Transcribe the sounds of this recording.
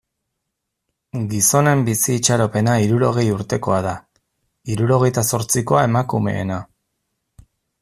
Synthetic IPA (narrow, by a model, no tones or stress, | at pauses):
ɡiso̞ne̞mbisiːt͡ʃaɾo̞pe̞naiɾuɾo̞ɣ̞e̞juɾt̪e̞ko̞aða | iɾuɾo̞ɣe̞jt̪aso̞ɾt͡siko̞ae̞makume̞̰ːna